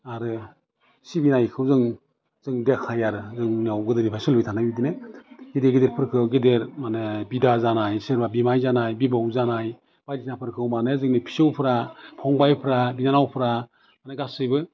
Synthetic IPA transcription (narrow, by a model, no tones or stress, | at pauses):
aɾɯ | sibinajkʰɯwzɯŋ | z̥ɯŋdekʰajaɾɯzɯŋniawɡɯdɯnipʰajsɯlbitʰanajbidineɡedeɡedeɾpʰɯɾkʰɯwɡedeɾmanɯbidazanajseɾbabimajzanajbibawzanaj | b̥ajdisnapʰɯɾkʰɯwmanezɯŋnipʰi̥sɯwpʰɾapʰɔŋbajpʰɾabinanawpʰɾa | manɯɡasɯjbɯ